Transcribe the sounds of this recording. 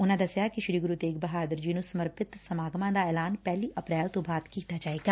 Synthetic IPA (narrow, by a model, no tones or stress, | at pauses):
ʊnãːd̪əsjaːkɪʃɾiːɡʊɾuːt̪eːkbəɦaːd̪əɾd͡ʒɪnũːsəməɾpɪt̪səmaːɡmãːd̪aːɛːlaːnpɛːliːʔəpɾɛːlt̪õːbaːd̪kiːt̪aːd͡ʒaːeːɡaː